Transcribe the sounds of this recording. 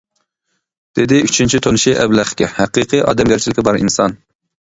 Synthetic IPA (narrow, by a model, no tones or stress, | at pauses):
d̪̥ed̪ɪyt͡ʃʰynt͡ʃʰit̪ʰonɨʃiʔɛblæχkʲɛhæqɨqʰɨʔɑ̰ːd̪ɛmɡʲæɾt͡ʃʰilɪkʲɛbɑɾḭnsɑn